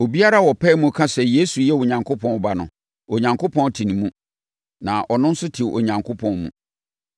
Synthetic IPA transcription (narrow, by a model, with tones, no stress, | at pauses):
o˨bi˦a˦ɾa˦wɔ˨pʰɛ˦mũ˦kʰã˦sɛ˨je˦su˨jɛ˦wʊ˨ɲã˨ŋkʰʊ˦pʰɔ̃˦n˨ba˨nʊ̰̃˨ | o˨ɲã˨ŋkʰo˦pʰɔ̃˦n˦tʰĩ˨nĩ˨mũ˦ | nã˨ʔɔ˨nʊ̃˦n̩˦sʊ˦tʰi˨wʔo̰˨ɲã˨ŋkʰo˦pʰɔ̃˦nmṵ̃˨